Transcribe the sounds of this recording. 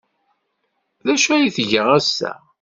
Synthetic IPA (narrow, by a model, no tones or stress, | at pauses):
ðæʃæjiθʝəʁæsːæ̰